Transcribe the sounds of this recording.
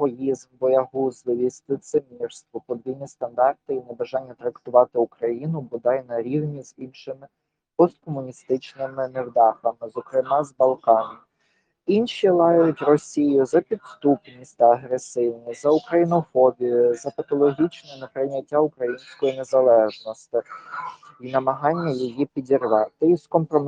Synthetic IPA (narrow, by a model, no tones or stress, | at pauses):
ɔjizmbɔjɐɦuzlˠɪʋʲisʲt̪ɪt̪semʲirst̪ʋɔpɔd̪ʋʲilʲnʲist̪ɐnd̪ɑrt̪ɪinebɐʒɑnʲːɐt̪ɾɐkt̪ʊʋɑt̪ɪʊkɾɐjinʊbʊd̪ɑjnɐɾʲiwnʲiz̥ʲinʃɪmɪ | pɔst̪kɔmʊnʲist̪ɪt͡ʃnɪmɪnewd̪ɑxɐmɪzɔkɾɪmɑzbɐlˠkɑnʲɪ | inʃʲilˠɑjjʊtʲrɔsʲijʊzɐpʲid̪st̪upnʲisʲtʲt̪ɐɐɦɾesɪwnʲizɐʊkɾɐjinɔfɔbʲijʊzɐpɐt̪ɔlˠɔɦʲit͡ʃnɛnɛpɾɪnʲɐtʲːaʊkɾɐjinʲsʲkɔjinezɐlˠɛʒnɔst̪ɪ | inɐmɐɦɑnʲːɐjɔjipʲidʲirʋɑt̪ɪiskɔmpɾɔm